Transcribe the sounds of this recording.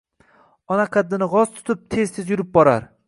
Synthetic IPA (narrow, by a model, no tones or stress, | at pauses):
ɒnaqʰɨd̪ːɪnɪʁɒz̥t̪ʰʊ̥t̪ʰɪp̚t̪ʰe̞z̥t̪ʰɪzjʊɾɪp̚bɒɾaɾ